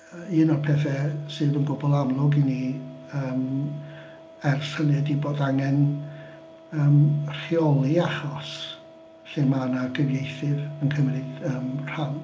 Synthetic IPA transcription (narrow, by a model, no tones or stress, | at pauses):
inɔrpʰɛθɛsɨːvənɡʊbɔlˠamlˠʊɡiniəːm | ɛrsənɛdiboːdaŋɛn | əːmr̥iɔlˠiahɔs | ɬɨmanaɡəvjejθɨvənkʰəmrɪðəːmr̥an